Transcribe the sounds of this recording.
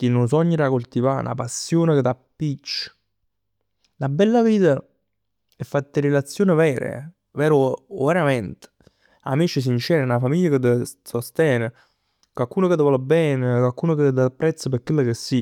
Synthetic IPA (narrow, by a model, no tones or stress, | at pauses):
k̟inːʊns̬ɔɲːəɾakolt̪iva̰na̰pasːjoːneket̪ːapːit͡ʃːə̥ | nabɛlːaviːt̪a | ɛfːat̪ːɪɾelat̪sːjoːnɪvɛːɾḛ | vɛːɾʊveɾamɛnt̪ | a̰mit͡ʃɪs̬int͡ʃɛːɾenafamiʎːakət̪ːəsost̪jɛːne | kwalkuːnoket̪ːəvɔːlebɛːnekwalkuːnoked̪apːɾɛt̪sːəpekːwelːakesːi